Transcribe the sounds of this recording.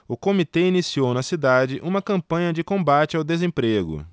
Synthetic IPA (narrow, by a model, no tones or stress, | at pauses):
ʊkomit̪ɛinisiownɐsid̪ad͡ʒɪʔũmɐkɐ̃mpɐ̃ɲɐd͡ʒɪkõbat͡ʃɪawd̪ezẽpɾeɡʊ̰